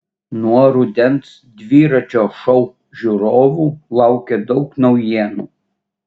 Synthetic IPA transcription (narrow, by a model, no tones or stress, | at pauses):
nuɔɾʊd̪ʲɛnt̪s | d̪ʲʋʲiːɾɐt͡ʃʲoːʃɔʊ | ʒʲʊɾoːʋuːlˠɑˑʊkʲed̪ɒʊknɔʊjiɛnuː